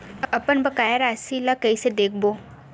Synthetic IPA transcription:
ɐpənbɐkaːjaɾaːsilakɐised̪eːk̚ʰboː

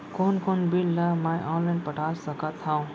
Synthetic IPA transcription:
konkonbilːamajʔɔnlajnpəʈasəkət̪ʰːãw̃

